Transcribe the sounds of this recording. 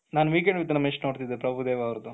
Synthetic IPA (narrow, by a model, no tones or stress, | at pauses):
naːnʋiːk̬eɳɖʋit̪ːɐnɐmeʂʈnoːɖt̪id̪epɾɐbʱud̪eːʋɐːʋɾd̪u